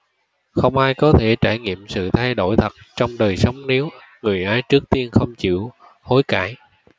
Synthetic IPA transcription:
xə˧wŋ͡mʔaː˧jkɔ˨˦t̪ʰe˧˩t͡ɕaː˧˩jŋḭ˧˨əmsɨ̰˧˨t̪ʰa˧jɗo˧˩jt̪ʰə˨˩t̚t͡ɕɔ˧wŋ͡mɗəː˨˩jsə˨˦wŋ͡mne˨˦w | ŋɨ˨˩əjʔaː˨˦jt͡ɕɨ˦˥k̚t̪i˧ənxə˧wŋ͡mt͡ɕḭ˧˨əw | ho˨˦jkaː˧˩j

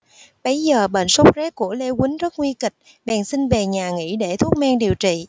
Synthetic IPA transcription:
ɓə˨˦jzəː˨˩ɓḛ˧˨nsə˦˥wk͡p̚zɛ˦˥t̚ku˧˩əle˧kï˨˦ŋ̟zə˦˥t̚ŋwi˧kï˨˩k̟̚ | ɓa̰ː˧˨nsi˧nve˨˩ɲaː˨˩ŋḭ˧˥ɗe˧˩t̪ʰu˦˥ək̚maː˧ŋɗi˨˩əwt͡ɕḭ˧˨

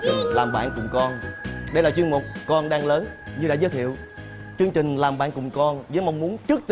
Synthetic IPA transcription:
laː˨˩mɓa̰ː˧˨nkʊ˨˩ŋ͡mkɔ˧nɗə˧jlaː˨˩t͡ɕwi˧ənmo˨˩k͡p̚kɔ˧nɗaː˧ŋləː˨˦nɲɨ˧ɗa̰ː˧˥˩zəː˨˦jt̪ʰḭ˧˨əw | t͡ɕɨ˧əŋt͡ɕï˨˩ŋ̟laː˨˩mɓa̰ː˧˨nkʊ˨˩ŋ͡mkɔ˧nzəː˨˦jma˧wŋ͡mmu˨˦ənt͡ɕɨ˦˥ək̚t̪

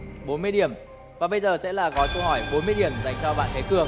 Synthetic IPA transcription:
ɓo˨˦nmɨ˧əjɗi˧˩əm | vaː˨˩ɓə˧jzəː˨˩sɛ̰˧˥laː˨˩kɔ˨˦jkə˧whɔ˧˩jɓo˨˦nmɨ˧əjɗi˨˩əmza˨˩jŋt͡ɕɔ˧ɓa̰ː˧˨nt̪ʰe˨˦kɨ˧˩əŋ

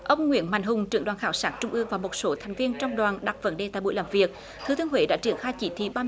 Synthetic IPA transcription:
ʔə˧wŋ͡mŋḭ˧˥ənma̰˧˨jŋ̟ɦʊ˨˩ŋ͡mt͡ɕɨ̰˧˩əŋɗwaː˨˩nxaː˧˩wsaː˦˥k̚t͡ɕʊ˧ŋ͡mʔɨ˧əŋvaː˨˩mo˨˩t̚so˨˦t̪ʰa˨˩ŋ̟vi˧ənt͡ɕɔ˧wŋ͡mɗwaː˨˩nɗa˨˩t̚və̰˧˥nɗe˨˩t̪a̰ː˧˨ɓṵ˧˨jləː˧˩mvi˨˩ək̚ | t̪ʰɨ˨˧˦t̪ɨ˧əŋɦwḛ˧˦ɗa̰ː˧˥t͡ɕi˧˩ənxaː˧jt͡ɕi˧˦t̪ʰḭ˧˩ɓaː˧

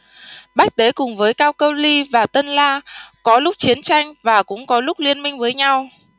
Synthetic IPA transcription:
ɓaː˦˥k̚t̪e˨˦kʊ˨˩ŋ͡mvəː˨˦jkaː˧wkə˧wli˧vaː˨˩t̪ə˧nlaː˧kɔ˨˦lʊ˦˥k͡p̚t͡ɕi˨˦ənt͡ɕa˧jŋ̟vaː˨˩kʊ̰˧˥ŋ͡mkɔ˨˦lʊ˦˥k͡p̚li˧ənmï˧ŋ̟vəː˨˦jɲa˧w

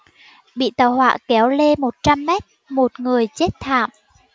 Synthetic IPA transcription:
ɓḭ˧˨t̪əː˨˩hwa̰ː˧˨kɛ˨˩˦wle˧mo˨˩t̚t͡ɕa˧mːɛ˦˥t̚ | mo˨˩t̚ŋɨ˨˩əjt͡ɕe˦˥t̚t̪ʰa̰ː˧˨m

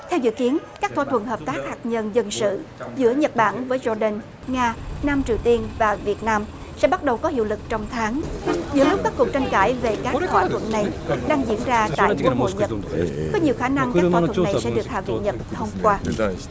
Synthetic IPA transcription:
t̪ʰɛ˧wzɨ̰˧˨ki˨˦ənkaː˦˥t̪ʰwa˧˩t̪ʰwə˧˩nɦəː˨˩p̚t̪aː˦˥k̚haː˨˩k̚ɲə˧nzə˧˩nsɨ̰˧˨zɨ̰˧˥əɲə˨˩t̚ɓa̰ː˧˩nvəː˨˦jzɔ˧ɗə˧n | ŋaː˧naː˧mt͡ɕi˨˩əwt̪i˧ənvaː˨˩vi˨˩ət̚naː˧m | sɛ̰˧˥ɓa˦˥t̚ɗə˨˩wkɔ˨˦hḭ˧˨əwlɨ˨˩k̚t͡ɕɔ˧wŋ͡mt̪ʰaː˨˦ŋzɨ̰˧˥əlʊ˦˥k͡p̚kaː˦˥kːu˨˩k̚t͡ɕa˧jŋkaː˧˩jve˨˩kaː˦˥k̪ʰwa̰ː˧˦t̪ʰwə̰˧˨nna˨˩jɗaː˧ŋzḭ˧˥ənzaː˧t̪a̰ː˧˨ku˧˥ho̰˧˨jɲə˨˩tkɔ˨˦ɲi˨˩wxaː˧˩na˧ŋkaː˧˥˧ə˧˨nʰ˨˩˧sɛ̰˧˥˧ɗɨ˨˩ək̚ha̰ː˧˨vḭ˧˨nɲə˨˩t̚t̪ʰə˧wŋ͡mkwaː˧

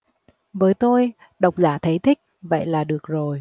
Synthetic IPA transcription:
vəː˨˦jt̪o˧j | ɗə˨˩wk͡p̚zaː˧˩t̪ʰə˨˦jt̪ʰï˦˥k̟̚və̰˧˨jlaː˨˩ɗɨ˨˩ək̚zo˨˩j

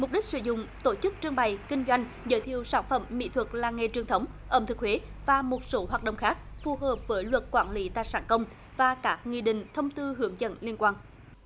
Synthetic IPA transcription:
mʊ˨˩k͡p̚ɗi˦˥k̟̚sɨ̰˧˩zʊ̰˧˨ŋ͡mt̪o˧˩t͡ɕɨ˦˥k̚t͡ɕɨ˧əŋɓa˨˩jkï˧ŋ̟zwa˧jŋ̟ | zə̰˧˦jt̪ʰi˨əwsaː˧˩nfə˧˩mːḭ˧˥t̪ʰwə˨˩k̚laː˨˩ŋe˨˩t͡ɕwi˨ənt̪ʰə˨˦wŋ͡m | ʔəː˨˩mt̪ʰɨ˨˩k̚hwe˨˦vaː˨˩mo˨˩t̚so˨˦ɦwaː˨˩t̚ɗə˧˨wŋ͡mxaː˦˥k̚fu˨˩ɦəː˨˩p̚vəː˨˦jlwə˨˩t̚kwaː˧˩nli˨˦t̪a̰ː˧˨jsaː˧˩nkə˧wŋ͡m | vaː˨˩kaː˦˥k̚ŋḭ˧˨ɗï˨ŋ̟t̪ʰə˧wŋ͡mt̪ɨ˧ɦɨ˨˧˦əŋzə̰˧˥nli˧ənkwaː˧n

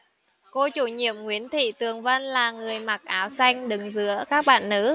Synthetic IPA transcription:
ko˧t͡ɕu˧˩ɲḭ˧˨əmŋwi˨˦ənt̪ʰḭ˧˨t̪ɨ˨˩əŋvə˧nlaː˨˩ŋɨ˨˩əjma˨˩k̚ʔaː˨˦wsa˧jŋ̟ɗɨ˨˩ŋzɨ̰˧˥əkaː˦˥k̚ɓa̰ː˧˨nːɨ˨˦˥

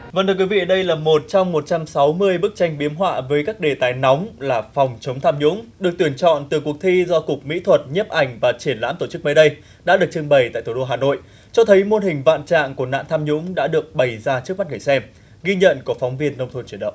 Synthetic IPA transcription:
və˧˩nt̪ʰɨ˧˩kwi˨˦vḭ˧˨ɗə˧jlaː˨˩mo˨˩t̚t͡ɕa˧wŋ͡mːo˨˩t̚t͡ɕa˧msa˨˦wmɨ˧əjɓɨ˦˥k̚t͡ɕa˧jŋɓi˨˦əmɦwa̰ː˧˨vəː˨˦jkaː˦˥k̚ɗe˨˩t̪aː˨˩jna˨˦wŋ͡mlaː˨˩fɔ˨˩wŋ͡mt͡ɕə˨˦wŋ͡mt̪ʰaː˧mɲʊ̰˧˥ŋ͡mɗɨ˨˩ək̚t̪i˧˩ənt͡ɕɔ̰˧˨nt̪ɨ˨˩kək̚t̪ʰi˧zɔ˧kʊ˨˩k̚mḭ˧˥t̪ʰwə˨˩t̚ɲə˦˥p̚ʔa˨˩jŋ̟vaː˨˩t͡ɕi˧˩ənla̰ː˧˥mt̪o˧˩t͡ɕɨ˦˥k̚məː˨˦jɗə˧j | ɗa̰ː˧˥ɗɨ˨˩ək̚t͡ɕɨ˧əŋɓə˨˩jt̪a̰ː˧˨t̪ʰu˧˩ɗo˧ɦaː˨˩no̰˧˨j | t͡ɕɔ˧t̪ʰə˨˦jmo˧nhï˨˩ŋ̟va̰ː˧˨nt͡ɕa̰ː˧˨ŋku˧˩əna̰ː˧˨nt̪ʰaː˧mɲʊ̰˧˥ŋ͡mɗa̰ː˧˥ɗɨ˨˩ək̚ɓə˨˩jzaː˧t͡ɕɨ˦˥k̚ma˦˥t̚ɡə˧˩jsɛ˧m | ɣi˧ɲə̰˧˨nku˧˩əfwŋ͡mvi˧ənːə˧wŋ͡mt̪ʰo˧nt͡ɕi˧˩ɗə̰˧˨

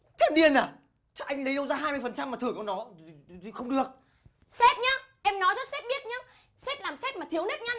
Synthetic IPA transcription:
t̪ʰɛ˧mɗi˧ənːaː˨˩ | t͡ɕa˦˥ʔa˧jŋ̟lə˨˦jɗə˧wzaː˧ɦaː˧jmɨ˧jfə˨˩nt͡ɕa˧mːaː˨˩t̪ɨ˨˧˩əkɔ˨˧˦nɔ˨˦˨ | xə˧wŋ͡mɗɨ˨˩ək̚ | sɛ˦˥t̚ɲaː˨˦ʔɛ˧mnɔ˨˦jzɔ˦˥t̚sɛ˦˥t̚ɓi˦˥ət̚ɲaː˨˦ | sɛ˦˥t̚laː˨˩msɛ˦˥t̚ma˨˩t̪i˨˦əwne˦˥t̚ɲa˧

